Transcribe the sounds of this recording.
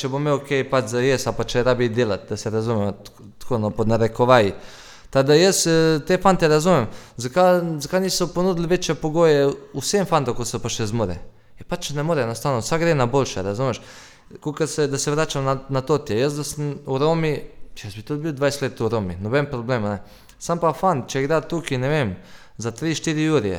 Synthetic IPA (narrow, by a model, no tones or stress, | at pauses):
t͡ʃebomeokejpat͡ʃzajesapat͡ʃeɾabid̪jelat̪̚d̪asɛɾazumɛma | t̪konopod̪naɾekoʋaji | t̪ad̪ajest̪efant̪eɾazumemzakazakaniːsoponuːd̪ɪlʲʋet͡ʃepoɡojeusemfand̪okosopat͡ʃezmoɾḛ | epat͡ʃnɛmoɾɛjenost̪aʋnosaɡɾenabolʲʃɛɾazuːmeʃ | kokased̪aseʋɾaːt͡ʃamnanat̪ot̪jejesd̪asamuɾomijesbit̪ud̪biod̪ʋaːjst̪lʲeːt̪uɾominobempɾobleːmnɛ | sampafant͡ʃɛɡɾaːt̪ːukinɛʋeːm | zat̪ɾiːʃt̪iɾijuɾiḛ